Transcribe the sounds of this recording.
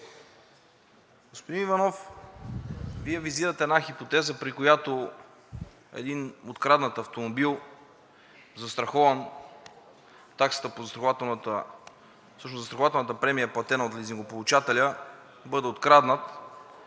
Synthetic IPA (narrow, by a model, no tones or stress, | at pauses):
ɡ̥ospod̪inivɐnɔf | viɛviziɾət̪ɛːd̪naxipot̪ɛzəpɾikojat̪o | ɛ̰d̪inot̪kɾad̪nət̪ɐft̪omobilˠ | zɐst̪ɾɐxɔvən | t̪aksə̥t̪əpozsɾɐxovat̪ɛnt̪ə | fsɤʃnoszst̪ɾɐxovat̪ɛlˠnət̪əpɾɛmijəɐplˠɐt̪ɛnəot̪lʲiziŋɡopolˠut͡ʃat̪ɛlʲə | bɤd̪ɛot̪kɾad̪nət̪